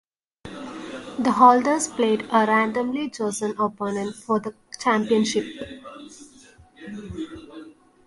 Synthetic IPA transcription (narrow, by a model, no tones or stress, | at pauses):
d̪əɦɔːlɖəɾzpleːɖəɾæ̃ɳɖə̃mlid͡ʒoːsə̃nopoːnə̃nfɔːɾd̪ə | t͡ʃæ̃mpiə̃nʃɪp̚